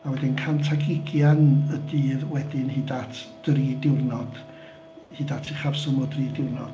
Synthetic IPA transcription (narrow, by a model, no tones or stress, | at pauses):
awɛdɪnkʰantʰaɡɪɡjanədiːðwɛdɪnhiːdatʰd̥riːdɪwrnɔd̥ | hiːdatʰiχarsɔmɔdriːdɪwrnɔ̰d̥